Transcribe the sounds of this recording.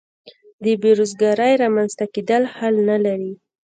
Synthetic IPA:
d̪əbeɾozɡɑɾəjɾɑmanz̥t̪aked̪əlhalnalaɾi

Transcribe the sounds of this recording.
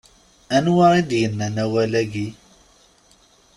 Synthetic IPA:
ænwaɾid̪jənːænæwælæɡi

